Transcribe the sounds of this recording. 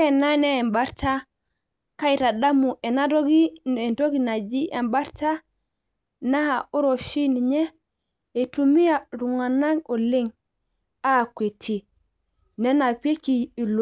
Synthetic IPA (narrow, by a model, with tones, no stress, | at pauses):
ɛ˨na˦nɛː˦mba˦ɾtʰa | ka˦ita˨da˦mu˨ɛ˨na˦do˦ɡi˦ɛ˨nto˦ɡina˨d͡ʒi˦ʔɛ˨mba˦ɾta˦ | na˦hau˦ɾo˨ʃi˦niɲɛː˦˨ | tumi˦jaɾu˨ŋa˨na˦ɡo˨le˦ŋ | a˦˨kʷwe˨tʰi˨ | nɛ˦na˨pe˦kiː˨lo